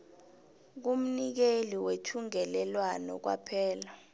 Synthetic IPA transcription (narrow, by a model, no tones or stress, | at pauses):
k̬um̩nik̬eliwetʰuŋɛlɛlwanɔ̰k̬wa̰pʰɛːla